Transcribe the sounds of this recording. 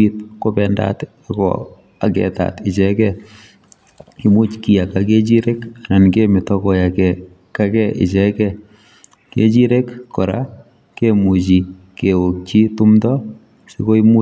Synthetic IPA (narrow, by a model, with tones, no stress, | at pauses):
it̚ko˦pɛ˨nda̰t | akɔ̰ | a˨kɛ̰˨ta̰˨tɪ˨t͡ʃɛkɛ | i˦mu˦t͡ʃki˨ja˨kake˦t͡ʃi˦ɾe˦ka˨na˨nke˦mɪ˨tɔ˦ko˨ja˨kɛ˨ | ka˦kɛʔɪ̰˨t͡ʃɛkɛ | kḛ˦t͡ʃi˦ɾe˦kkɔ˨ɾa̰˦ | kemu˨t͡ʃ̬i˨ | ke˨wo˨k̚t͡ʃi˦tu˦mtɔ˦ | si˦ko˦i˦mu˦